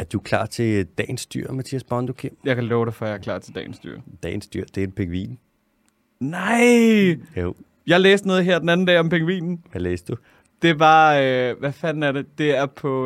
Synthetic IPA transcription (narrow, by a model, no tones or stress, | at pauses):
æɐd̥ukʰlɑ̰̈ːt͡sʰe̝d̥ɛ̰ːn̩sd̥y̰ɐ̰mæt͡sʰḭːæsb̥ɑnd̥okʰemjɑ̈ɪkʰælɔːʊɾefɒjäɐkʰl̥ɑ̰̈ːt͡sʰe̝ld̥ɛ̰ːn̩sd̥y̰ɐ̰d̥ɛ̰ːn̩sd̥yɐ̰d̥e̝enpʰeɡʋḭːn | nɑɪo | jɑ̈ɪlḛːsd̥nɔ̽ːð̞ˠɦeɐ̰d̥enæn̩dɛːɒ̽mpʰeŋʋḭːnn̩ʋæleːsd̥u | d̥e̝ʋɑ̈øʋæfænn̩æɐɾe̝d̥e̝æɐpʰɒ̽